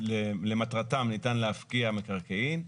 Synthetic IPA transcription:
lelematʁatamnitanleafkiamekaʁkeim

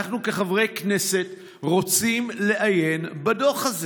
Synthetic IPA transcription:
aχnukeχavʁe̞jkne̞se̞t | ʁo̞t͡simleʔaje̞nbado̞χaz

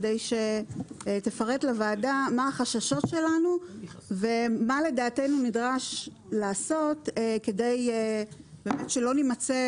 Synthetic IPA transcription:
dejʃe̞ | tefaʁetlavaːdamaaχaʃaʃo̞tʃe̞lanuve̞male̞daːte̞nunidʁaʃ | laːso̞tke̞de̞j | beːmetʃelo̞nimat͡se

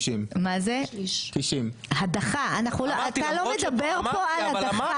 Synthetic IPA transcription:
ʃimmazet̪iʃimhadaχaanaχnuloatalo̞med̪abeʁpo̞aladaχa

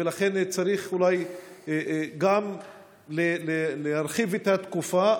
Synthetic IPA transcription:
velaχe̞nt͡saɾiχulaj | ɡam | lelelehaɾχivet̪at̪kufa

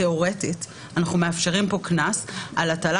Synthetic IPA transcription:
eo̞ʁetit | anaχnumeafʃe̞ʁimpo̞knasalatala

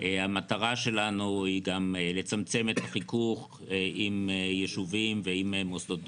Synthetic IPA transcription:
hamataʁaʃe̞lanuhiɡamle̞t͡samt͡se̞met̪haχikuχ | ʔimjeʃuvimveimemosdot̪

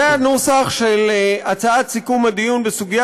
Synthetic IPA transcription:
enosaχʃelat͡saat̪sikumad̪ijunbesuɡija

